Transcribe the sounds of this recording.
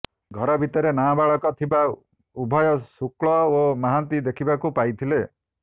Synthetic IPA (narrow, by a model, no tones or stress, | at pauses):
ɡʱɔɾɔbʱit̪ɔɾenabaɭɔkɔt̪ʰiba | ubʱɔjɔsukɭɔomaɦant̪id̪ekʰibakupajt̪ʰile